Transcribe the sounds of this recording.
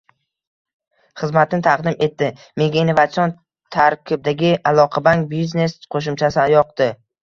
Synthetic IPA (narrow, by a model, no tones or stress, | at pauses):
χɨzmat̪ʰɪnɪt̪ʰaqd̪ɪme̞t̪ːɪ | meɡ̪ʲanevat̪sion | t̪ʰaɾkʲʰɪb̚d̪aɡʲɪalˠɒqʰɑbaŋk̚bizne̞sqʰoʃ̬ʊmt͡ʃʰasɪjɒq̚d̪ɪ